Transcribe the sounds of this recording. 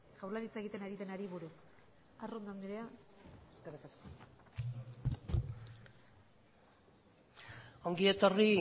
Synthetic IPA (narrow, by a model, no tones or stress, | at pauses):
ʝawɾlaɾit͡saeɣit̪enaɾit̪e̞naɾiβuɾu | arond̪and̪iɾeaeskeɾikasko | o̞ŋɡie̞t̪o̞ri